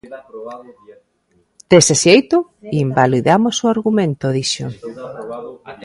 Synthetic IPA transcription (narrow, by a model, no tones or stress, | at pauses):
t̪esesjejt̪ʊ | imbaliðamosoaɾɣumẽnt̪oðiʃo̰